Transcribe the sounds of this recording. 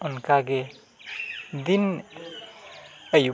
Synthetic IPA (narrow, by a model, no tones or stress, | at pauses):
ɔnkaɡe | d̪in | əju